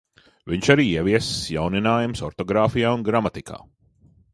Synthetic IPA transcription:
viɲʃaɾiːiɛviɛsjawninaːjumsɔɾt̪ɔɡɾaːfijaːunɡɾamat̪ikʰa̰ː

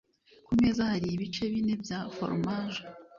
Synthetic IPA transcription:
kume̞ːzahaɾiːβit͡ʃe̞βine̞bjafo̰ɾmaʒo

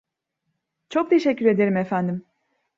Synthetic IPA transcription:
t͡ʃʰo̞k̚t̪ʰe̞ʃɛcʰːyɾe̞d̪e̞ɾimefænd̪im

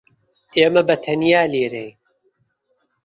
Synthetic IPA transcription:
ʔeːmɐbɐt̪ʰɐnjaːleːɾej

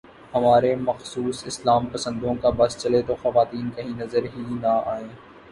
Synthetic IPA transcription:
hɐmaːɾemɐxsuːsɪslaːmpɐsə̃nd̪õkabɐst͡ʃɐlet̪oxɐʋaːt̪iːnkɐɦĩnɐzəɾɦinaaːẽː

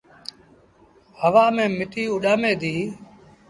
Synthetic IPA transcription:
həʋaːmẽːmɪʈiːʊɗaːmeːd̪iː

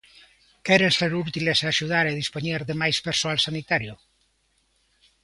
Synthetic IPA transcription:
kɛɾenseɾut̪ilesaːʃuð̞aɾeðispoɲeɾðemajspeɾsoalsanit̪aɾjo

